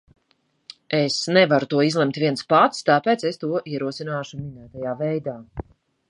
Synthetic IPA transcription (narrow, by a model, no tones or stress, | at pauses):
esnɛvaɾut̪uɔizlˠɛmt̪vʲiɛnspat̪st̪aːpɛːt̪sɛst̪uɔʔiɛɾuɔsinaːʃuminæːt̪ajaːvɛjd̪aː